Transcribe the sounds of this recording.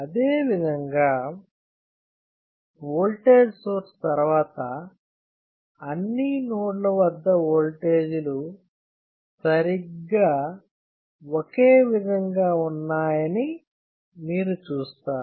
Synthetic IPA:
ɐd̪eːʋid̪ʱɐŋɡaː | oːlʈe̞ːd͡ʒsoːɾst̪ɐɾuʋaːt̪ɐ | nːinoːɖlɐʋɐd̪ːɐoːlʈeːd͡ʒulu | sɐɾiɡaː | okeːʋid̪ʱɐŋɡaːunːaːjɐni | miːɾut͡ʃuːst̪aːɾ

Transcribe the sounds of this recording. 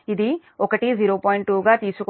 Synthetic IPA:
jɪd̪iː | okəʈiziːɾopɔːɪɳʈʈːuːɡat̪iːsuk

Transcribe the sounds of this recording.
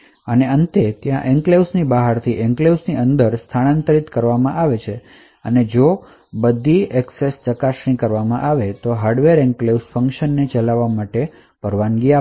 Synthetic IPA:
əneənt̪et̪jãʔɛŋklewsnibaɦaɾt̪ʰiʔɛ̃ŋklewsniənd̪əɾst̪ʰaɽant̪əɾit̪kəɾʋamãʔaʋet͡ʃʰe | əned͡ʒo | bəd̪ʱːiɛksest͡ʃəkaʃɳ̃ĩkəɾʋamãʔaʋet̪oɦaɾɖʋeɾɛŋklewsfə̃ŋkʃənːet͡ʃəlaʋːamaʈe | pəɾʋanɡia

